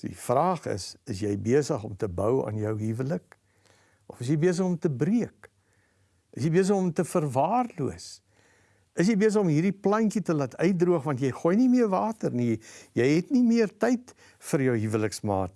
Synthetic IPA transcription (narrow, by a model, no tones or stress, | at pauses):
dḭfrɑːχə̰səsjɛjbiəsəχɔmtəbœwɑ̰ːnjœwɦivələk̚ | ʔɔfəs̬jɛjbiəs̬əχɔmtəbriək | əsjɛjbiəs̬əχɔmtəfərvɑːrluəs | əsjɛjbiəs̬əχɔmɦiːrdiplɐŋkitəlɐtʰœɥt̚druəχvɐnt̬jɛjχuːjnimiərvɑːtərnijɛjɦɛtnimiərtɛjt | fərjəwɦivələksmɑːt̚